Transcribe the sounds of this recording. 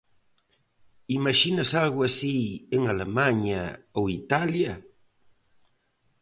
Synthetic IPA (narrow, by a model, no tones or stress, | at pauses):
imaʃinasalɣwasieŋalemaɲa̰oit̪alja